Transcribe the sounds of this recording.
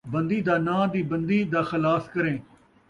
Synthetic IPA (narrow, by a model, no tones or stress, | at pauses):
bənd̪iːd̪aːnãːd̪iːbənd̪iːd̪aːxəlaːskəɾẽː